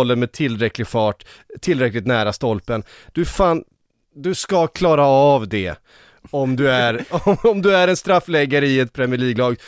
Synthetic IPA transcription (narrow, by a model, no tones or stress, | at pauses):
ɔlːəɾmɛt̪ʰɪlːɾɛklɪɡfɑːʈt̪ʰːɪlːɾɛklɪkt̪næːɾast̪ɔlpən | d̪̥ɵfaːn | d̪ɵskakʰlɑːɾaːvd̪ɛ | ɔmd̪ɵæɾɔɔmd̪ɵæɾɛnst̪ɾafːlɛɡːaɾəɪɛt̪̚pʰɾɛmɪɭiːɡlɑːɡ